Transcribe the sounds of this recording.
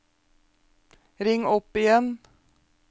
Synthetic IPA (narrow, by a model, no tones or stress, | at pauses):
ɾɪŋɔpɪjɛn